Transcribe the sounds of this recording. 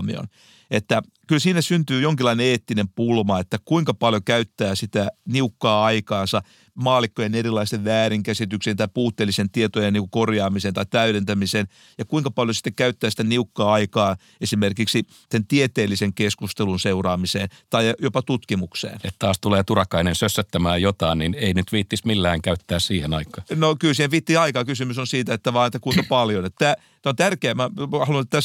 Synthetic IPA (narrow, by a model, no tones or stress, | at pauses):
mḭo̰n | et̪ːæ | kylsiːnæsynt̪yːjoŋkilːˑɑineeːt̪ːinempulmɑet̪ːækuiŋkɑpɑljokæyt̪ːæːsit̪æniukːɑːɑikɑːnsɑ | mɑːlikːojenerilːˑɑist̪eʋʋæːɾiŋkæsit̪yksent̪ɑipuːt̪ːeːlisent̪iet̪ojeniːŋkukorjɑːmiseːnt̪ɑit̪æyɾent̪æmisen | jɑkuiŋkɑpɑljosi̥t̪ːekæyt̪ːæːsi̥t̪æniukːɑːɑikɑː | esimerkiksi | sent̪iet̪eːlːiseŋkeskust̪elunseurɑːmiseːnt̪ɑijopɑt̪ut̪kimuksḛːnet̪t̪ɑːst̪uleːt̪urɑkɑinensøsːøt̪ːæmæːjjot̪ɑinnineinyt̪ʋiːt̪ːismilːæːŋkæyt̪ːæːssiːhenɑikːˑɑ̥ːnokylsiːheʋiːt̪ːiːɑikɑkysymysonsiːt̪æet̪ːæʋɑːnet̪ːækuiŋkɑpɑljonet̪t̪æː | t̪æont̪ærkeæmæɑhɑlunet̪t̪æs